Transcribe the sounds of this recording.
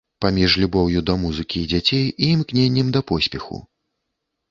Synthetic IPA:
pamʲiʂlʲubɔwjud̪ɐmuzɨkʲiːd͡zʲat͡sʲejiːmknʲenʲːɛmd̪ɐpɔsʲpʲɛxṵ

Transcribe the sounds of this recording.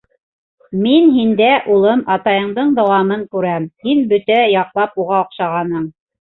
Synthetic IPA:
minɦind̪æʔulˠɤmɑt̪ɑjɤ̆ɴd̪ɤɴd̪ɑwɑmɤɴkʉɾæmhinbɵ̆t̪æjɑqlˠɑpuʁɑŏqʃɑʁɑnɤɴ

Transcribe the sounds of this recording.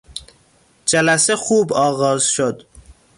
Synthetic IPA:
d͡ʒælæsexuːbɒːɣɒːzʃod̪

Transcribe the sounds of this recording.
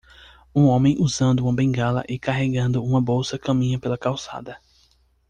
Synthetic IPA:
ũõmẽj̃ʔuzɐ̃nd̪ʊũmɐbẽŋɡalɐ̰ʔɪkaɦeɡɐ̃nd̪ʊũmɐbowsɐkɐ̃mĩɲɐpelɐkawsa̰d̪ɐ

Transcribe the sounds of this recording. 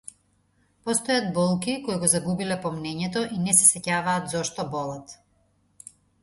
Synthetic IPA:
pɔst̪ɔjad̪̚bɔlˠkikɔiɡɔzaɡubilɛpɔmnɛɲɛt̪ɔʔinɛsɛsɛcavaːt̪zɔʃt̪ɔbɔlˠat̪

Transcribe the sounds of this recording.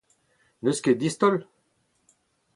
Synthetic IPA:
nøskʲed̪ist̪ɔl

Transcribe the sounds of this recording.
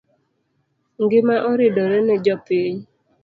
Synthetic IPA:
ŋ̩ɡɪmaʔɔɾɪdɔɾɛnɛd͡ʒɔpiɲ

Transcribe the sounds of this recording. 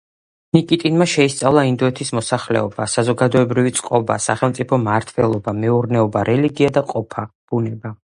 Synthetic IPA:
nikʼit̪ʼinmaʃɛist̪sʼavlˠaind̪ɔɛt̪ʰismɔsaχlɛ̰ɔbasazɔɡad̪ɔɛbɾivit̪sʼqʼɔba̰sa̰χɛlˠmt̪sʼipʰɔmaɾt̪ʰvɛlˠɔbamɛuɾnɛɔbaɾɛliɡiad̪aqʼɔpʰab̥unɛba

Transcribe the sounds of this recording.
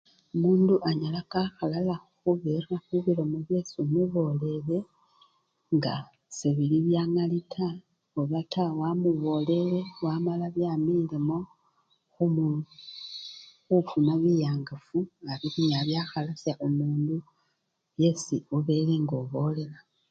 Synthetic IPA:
omuːnduʔaɲalakaxalalaxuβeraxuβilomoβje̞ːsimuβo̞le̞le̞ | ŋɡa | seβiliβjaŋalitʰa | oβatawamuβo̞le̞le̞wamalaβjamilemo̞ | xumu | xufumaβijaːŋɡafuaɾikuɲaβjaːxalasjaʔomuːndu | βje̞siuβe̞le̞ŋɡoβo̞le̞la

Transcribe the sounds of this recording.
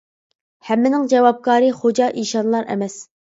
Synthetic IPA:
hɛmːɪnɪŋd͡ʒɛvɑp̚kɑːɾɨχod͡ʒɑʔiʃɑnlˠɑɾɛ̰mɛs

